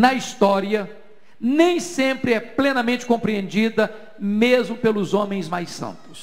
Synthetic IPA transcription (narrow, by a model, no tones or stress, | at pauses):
nɐist̪ɔɾiɐ | nẽj̃sẽpɾɪɛplẽnɐmẽnt͡ʃɪ̥kõmpɾiẽnd͡ʒid̪ɐ | mezmʊpelʊzõmẽj̃zmajsɐ̰̃nt̪ʊ̥s